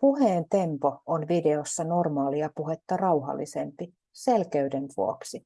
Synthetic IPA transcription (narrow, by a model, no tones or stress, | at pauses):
puheːnt̪e̞mpo̞onʋideosːɑno̞rmɑːliɑpuɦet̪ːɑrɑwɦɑ̰lːisempi | selkeydenʋuoksi